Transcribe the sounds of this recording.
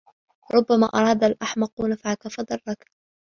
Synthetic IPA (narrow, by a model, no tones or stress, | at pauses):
ɾˤʊbːama̰ːʔɑɾˤɑːd̪alʔaħmɑqunafʕakafɑd̪ˤɑrˤːɑk